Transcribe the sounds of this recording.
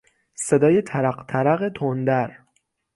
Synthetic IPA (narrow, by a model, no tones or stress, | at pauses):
se̞d̪ɒːjet̪ʰæɾæɢt̪ʰæɾæɣet̪ʰond̪æɾ